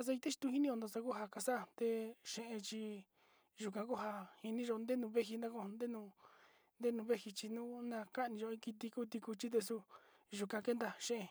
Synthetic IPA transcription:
a˧s̬a˧i˧t̪e˦ʃi̥˧t̪u˧hi˦nĩ˦o˧d̪o˧sa˧ku˦ɦa˧ka˧sa˦˧˨t̪e˧ʃẽ˧ʔẽ˧t͡ʃi˧ | ʒu˨kã˧ku˦ɦa˧hi˧nĩ˦ʒo˧nd̪e˦nũ˧βe˦ɦi˧nd̪ã˦kõ˧nd̪e˦nũ˧ | nd̪e˦nũ˧βe˦hi˧t͡ʃi˧nũː˦nã˧ka˦ʔnĩ˧ʒo˧ĩ˦˧ki˧t̪i˧ku˦t̪i˧ku˧t͡ʃi˦t̪̬e˧su˧ | ʒu˧kã˧ke˦nd̪a˧ʃẽ˦ʔẽ˧

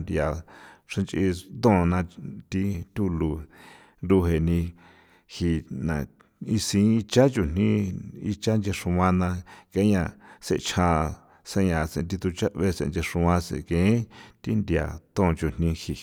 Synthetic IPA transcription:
nd̪ja˨ʂã˧nt͡ʃʔi˧t̪õ˦˨˧nã˧t̪i˧t̪ʲu˦lu˧˨ | nd̪u˧ɦe˧˨nĩ˧ | hi˧nã̰˨ | i˧sĩ˧˦i˧t͡ʃa˦t͡ʃu˨n̥nĩ˦i˧t͡ʃa˦nd͡ʒe˧ʂũ˧wã˧nã˧ke˧˦ɲã˧sḛ˧˨t͡ʃʰã˧ | sã˧ɲã˨t͡sḛ̃˧˨˧t̪i˧t̪u˧t͡ʃa˦ʔβe˧sḛ˧˨nd͡ʒe˧ʂũ˧wã˧sḛ̃˨kẽ˨˦t̪i˦nd̪ja̰˨t̪õ˦˧t͡ʃu˨n̥nĩ˧hi˧

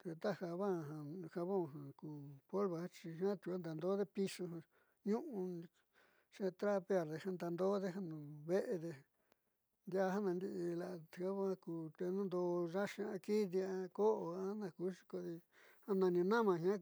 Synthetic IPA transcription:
t̪e˧t̪a˦ha˧βa˦˨ɦã˧ha˧βõ˦˨ɦã˨kuː˨po˦lβa˨˧a˦t͡ʃi˧ɦã˦t̪u˧a˦nd̪a˨nd̪o˦ðe˦pi˧su˧ɦã˧ | ɲũ˦ʔũ˧ | ʃẽ˧t̪ɾa˦pe˧˦a˧ɾðe˧hã˧nd̪a˧nd̪o˦ðe˦ɦa˦nũ˨βe˦ʔe˧ðe˧ | nd̪ja˦˧ha˦nã˧nd̪i˧ʔla˧ʔa˧βo˦ha˧kuː˧t̪e˧nũ˦nd̪o˧ʐa˦ʃi˧a˧ki˦d̪i˧a˧ko˦ʔo˧a˦nã˧ku˦ʂi̥˧ko˧ði˧ | hã˦˧nã˧nĩ˧nã˦mã˧ɦã˦

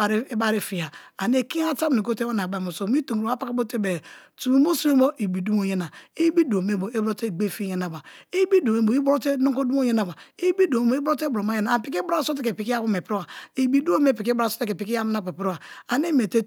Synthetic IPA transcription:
ɾba˦ɾi˦fi˨ja˨a˨ne˦ki˦a˦ta˦m˨ni˨ko˦te˦a˦na˨ɡ͡ba˨o˨so˦˨mi˦to˨ŋ˨ɾo˨˦a˦pa˦ka˦bo˦te˦be˨tu˨mu˨mo˦su˦e˦mo˦i˨bi˨du˦m˦o˨je˦na˨i˦bi˦du˨o˨me˦˨bo˨i˦bo˦te˦˨ɡ͡be˦˨fi˦je˦na˨ba˨i˦bi˦du˨me˦bo˨i˦bɾo˦te˦no˦ko˦du˦mo˦je˦na˦ba˨i˦bi˦do˨mo˨˦i˦bo˦te˦bo˨mo˦je˦na˨a˨pi˦k̬i˦ba˦so˦t̬e˦ke˨pi˦ki˦ja˦wu˦me˨pɾwa˨i˨bi˨du˦o˦me˦˨pi˨ki˦bɾa˦˨so̥˦te˦ke˨pi˦ki˦a˦m˦na˦pe˨po˦a˨a˨ne˦me˨te˦

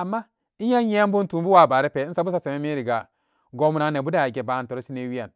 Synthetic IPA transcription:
a˨mːa˦ | i˦a˦je˦m˦bu˦n˦tu˨m˦bu˦wa˨ba˨ɾi˦pe˨˦n̩˦sa˦bu˦s̬a˦se˨me˦mi˦ɾi˨ɡa˨ | ɡo˨˦mu˨na˨˦ne˨bu˦da˦a˨ɡe˨ba˨to˨ɾo˦si˦ne˦wi˦ja˨n

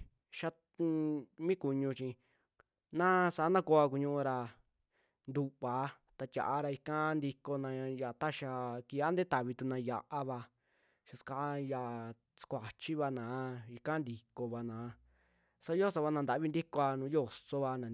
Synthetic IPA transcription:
ʃa˧ | mĩ˦ku˧ɲũ˧t͡ʃĩ˧ | nã˦sa˨˦nã˦ko˧˦a˧ku˧ɲũ˦ʔũ˧ɾa˧ | nd̪u˧βa˨˦ | t̪a˧t̪ʲa̰˨ʔa˧ɾa˧i˧ka˦nd̪i˧ko˧nã˧ja˨t̪a˦ʃa˧ki˧ja˦nd̪e˦t̪a˨βi˧t̪u˧nã˧ja˨ʔa˦βa˧ | ʃa˧ska˧˦ja˧˨ | skʷa˨t͡ʃi˦βa˧nãː˨˦i˧ka˦nd̪i˧ko˧βa˧nãː˨˦ | sa˦jo˦so˧βa˧nã˧nd̪a˨˦βi˦nd̪i˦ko˧a˧nũː˨˦jo˦˨so˧βa˧nã˨

